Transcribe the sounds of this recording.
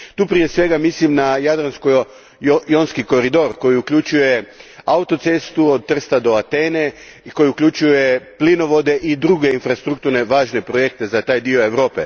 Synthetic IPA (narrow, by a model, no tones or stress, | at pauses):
t̪uːpɾije̞sʋe̞ɡamislimnajad̪ɾansko | jonskiko̞ɾid̪o̞ɾko̞jiukʎʲut͡ʃujeaut̪o̞t̪sest̪uo̞d̪̚t̪r̩st̪ad̪o̞at̪e̞ːne̞ | ko̞jiukʎʲut͡ʃuje̞plino̞ʋo̞d̪e̞ʔid̪ɾuɡe̞infɾast̪ɾukt̪uɾne̞ʋaːʒne̞pɾo̞je̞kt̪e̞zat̪aːjd̪io̞e̞ʋɾo̞ːpe̞̰